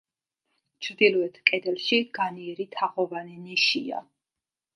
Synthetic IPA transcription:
t͡ʃʰɾd̪ilˠɔɛt̪ʰkʼɛd̪ɛlˠʃiɡ̥aniɛɾit̪ʰaχɔvanɛniʃia̰

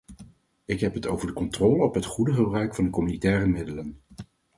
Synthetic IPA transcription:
ɪkɦɛpɦətowvəɹdəkɔntrɔːləɔpɦətχudəχəbrœɥkfɑndəkɔmynitɛːrəmɪdələn

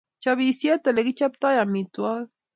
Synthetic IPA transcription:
t͡ʃaβisjet̪eleɡit͡ʃap̚t̪ajamit̪ua

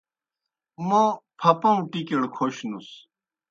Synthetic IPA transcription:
mõpʰɐpɐ̃ũʈikeɽkʰoɕnus

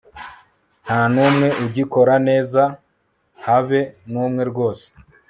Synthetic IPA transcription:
n̥hanumŋe̞ʔuɟiko̞ɾane̞ːza | haβe̞nuːmŋe̞ɾɡo̞ːse̥

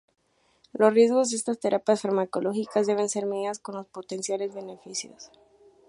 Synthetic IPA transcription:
losrje̞zɣo̞zd̪eest̪ast̪e̞ɾʔapjasfaɾmako̞lo̞xikazðeβe̞nse̞ɾmeasko̞nlo̞spot̪e̞nsjale̞zβe̞ne̞fisjo̰s

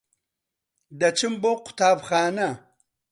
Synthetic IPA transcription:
d̪ɐt͡ʃimboqʊ̥t̪aːbxaːna

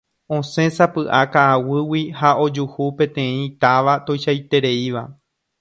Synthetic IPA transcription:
õ̞sẽ̞sapɨʔakaːwɨwihao̞d͡ʒuhupẽ̞t̪ẽ̞ĩt̪aʋat̪o̞jʃajt̪e̞ɾe̞iʋa̰

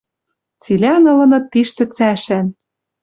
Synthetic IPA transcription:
t͡silʲænɤ̆lɤ̆nɤ̆t̪iʃt̪ɘ̆t͡sæʃæn

